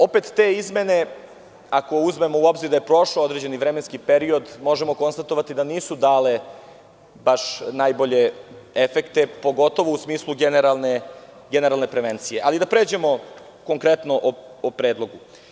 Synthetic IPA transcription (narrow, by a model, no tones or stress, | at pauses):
o̞pet̪ːeːizme̞ne̞ | akouzme̞mo̞uo̞bziɾd̪ajepɾo̞ʃood̪ɾed͡ʑe̞niʋɾeme̞nskipeɾio̞d̪mo̞ʒemo̞ko̞nst̪at̪o̞ʋat̪id̪aniːsud̪aːle̞ | baʃnaːjbo̞ʎe̞efekt̪e̞po̞ɡo̞t̪o̞ʋousmiːslˠuɡeneɾalˠne | ɡene̞ɾalˠne̞pɾeʋent̪sije̞ʔalid̪apɾe̞ːd͡ʑe̞mo̞ | ko̞ŋkɾe̞t̪noʔoopɾeːd̪lˠoɡu